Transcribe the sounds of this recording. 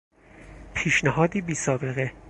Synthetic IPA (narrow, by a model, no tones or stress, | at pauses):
pʰiːʃnæɦɒːd̪iːbiːsɒːbe̞ɣe